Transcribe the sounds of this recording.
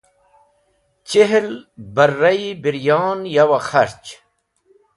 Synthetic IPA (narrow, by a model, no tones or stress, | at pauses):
t͡ɕeɦlbɐɾːɐibiɾjɑːnjɐwaxɐɾt͡ɕ